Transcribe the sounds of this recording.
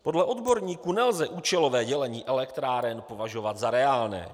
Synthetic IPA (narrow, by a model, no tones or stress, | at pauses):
po̞dlɛʔo̞d̪bo̞ɾɲiːkunɛlzɛʔuːt͡ʃɛlo̞vɛːɟɛlɛɲiːʔɛlɛkt̪ɾaːɾɛnpo̞vaʒo̞vat̪zaɾɛaːlnɛ̰ː